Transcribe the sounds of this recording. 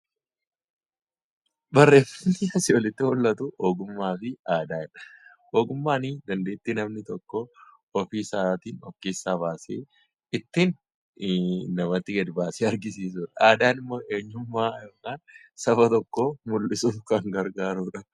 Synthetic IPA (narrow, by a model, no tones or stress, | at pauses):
bɐrːe̞ːfɐnːɪɐsɪɔlɪt̪ːɪhɔlːɐt̪ʊʔoːɡʊmːaːfɪaːd̪aːɪᶑɐ̥ | oːɡʊmːaːnid̪ɐnd̪e̞ːt̪ːinɐmnɪt̪ɔkːɔ | ɔfiːsaːt̪iːnɔkːiːsːaːbaːsḛː | ɪt̪ːin | nɐmɐt̪ːɪɡɛd̪baːseːɐɾɡɪsiːs̬uːᶑɐaːd̪aːnɪmːoːʔe̞ːɲːʊmːaːjokaːn | sɐfɐt̪ɔkːomʊlːʔɪsuːfkɐŋɡɐɾɡaːɾuːᶑɐ